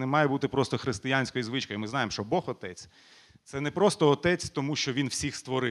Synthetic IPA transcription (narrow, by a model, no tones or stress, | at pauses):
nɛmɑjɛbut̪ɪpɾɔst̪ɔxɾɪst̪ɪjanʲsʲkɔjizʋɪt͡ʃkɔjʊmɪznɑjemʃt͡ʃɔbɔxɔt̪ɛt͡sʲ | t̪sɛnɛpɾɔst̪ɔːt̪ɛt͡sʲt̪ɔmuʃt͡ʃɔʋʲinwsʲixst̪ʋɔɾɪ